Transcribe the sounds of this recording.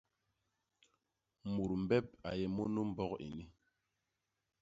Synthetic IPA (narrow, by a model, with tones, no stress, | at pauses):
mu˨ɾm̩˨bɛ˦p̚a̰˨jɛ˨mɔ˦nu˦m̩˦bɔ˦kḭ˨ni˦